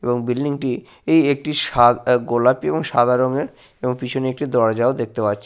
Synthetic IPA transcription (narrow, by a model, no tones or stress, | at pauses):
eboŋbilɖiŋʈi | ejek̚ʈiʃaɡolapeboŋʃad̪ʱaɾoŋeɾ | eboŋpit͡ɕʰoneek̚ʈid̪ɔɾad͡ʑaod̪ek̚ʰt̪epatːt͡ɕʰe